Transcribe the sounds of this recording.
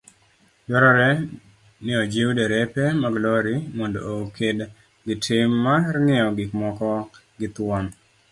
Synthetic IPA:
dɔɾɔɾɛ | nɪɔd͡ʒiudeɾɛpemaɡlɔɾimɔndo̰okʰed | ɡɪtʰɪmːarŋɪɔɡɪkmɔkɔ | ɡɪt̪wɔm

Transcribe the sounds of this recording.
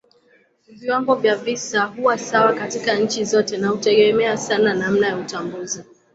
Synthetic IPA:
viwaŋɡɔvjavisahuwasawakatikaɲ̩t͡ʃizɔtɛnahutɛɠɛmɛasananam̩najautambuzi

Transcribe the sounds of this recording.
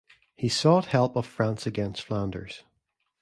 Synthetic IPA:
hisɔʔhɛlˠpəv̥fɹãnsəɡɛ̃nstflˠãndə̰˞z̥

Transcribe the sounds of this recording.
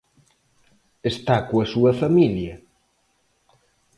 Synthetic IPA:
est̪akoɐsuɐfamiljɐ

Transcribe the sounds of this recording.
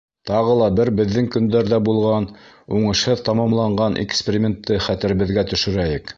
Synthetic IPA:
t̪ɑʁɤlˠɑbɘɾbɘ̆ðːɘŋkɵ̆nd̪æɾðæbulˠʁɑn | uɴɤ̆ʃhɤðt̪ɑmɑmlˠɑɴɢɑnʔɪ̰kspʲɪɾʲimʲent̪ʰːɤχæt̪ɘ̆ɾɘ̆βɘ̆ðɡæt̪ɵ̆ʃɵ̆ɾæjɘk

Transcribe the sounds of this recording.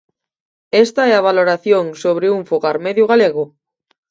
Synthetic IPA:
est̪aɛaβ̞aloɾaθjoŋsoβ̞ɾeuɱfoɣaɾmeðjʊɣ̞aleɣʊ

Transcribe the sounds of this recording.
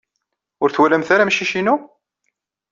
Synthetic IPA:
ʊɾθwælæmθaɾamʃːiʃinu

